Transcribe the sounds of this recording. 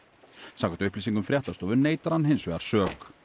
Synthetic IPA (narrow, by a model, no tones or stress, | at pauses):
saːkat̪ʏhplisiŋkʏmfɾjɛt̪ast̪ɔːvʏɾneːjt̪aɾhanːɦejnsvɛːɣa̰ɾ̥sœːk